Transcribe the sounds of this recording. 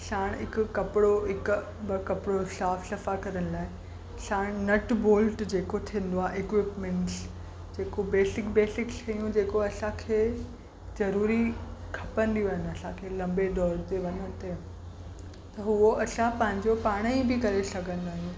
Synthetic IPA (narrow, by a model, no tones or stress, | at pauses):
saːɽ̃ɦɪkʊ̆kɐpɪɽoɦɪkʊ | bɐkɐpɪɽosaːfʃɐfakɐɾənɪ̆laːɪ | ʃaːɽ̃nɐʈboːlʈd͡ʑeːkot̪ʰĩə̃n̆d̪oaːɦeɪkʋɪpmẽɳʈs | d͡ʑeːkobeːsɪkbeːsɪkʃʰɐjũd͡ʑeːkoɐsãkʰeː | zɐɾuːɾikʰɐpə̃nd̪ijuɐːɦɪnɐsãkʰeːlɐ̃mbeɖɔːɾt̪eʋɐɲənt̪e | t̪ɐɦuoʔɐsãpɐ̃ɦɪ̃ɲd͡ʑopaːɽ̃ibɪkɐɾesɐɡʱə̃nd̪aːɦijũː